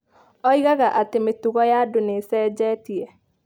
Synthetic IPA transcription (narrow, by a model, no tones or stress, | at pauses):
ɔiɣaɣaʔatemetuɣɔjaːdonesɛːd͡ʒɛːtiɛ